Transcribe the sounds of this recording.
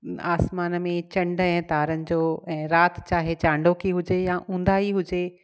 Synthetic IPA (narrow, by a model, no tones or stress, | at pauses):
a̰ːsmaːnmẽt͡ɕɐ̃ɳɖɛ̃ːt̪aːɾənɪ̆d͡ʑoːɛ̃ːɾaːt̪t͡ɕaːɦet͡ɕãːɳɖokʰiɦʊd͡ʑejaʔũːnd̪aɦiɦʊd͡ʑe